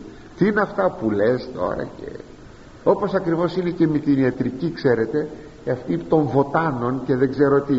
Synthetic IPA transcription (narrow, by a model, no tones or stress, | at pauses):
t̪iineɐft̪ɐpulest̪o̞̰ɾɐ̰ce̞̰ | o̞po̞sɐkɾivo̞sine̞ce̞met̪iniɐt̪ɾicikse̞ɾe̞t̪e̞ | cɐft̪it̪o̞ɱvo̞t̪ɐno̞nce̞ðeɡzeɾot̪i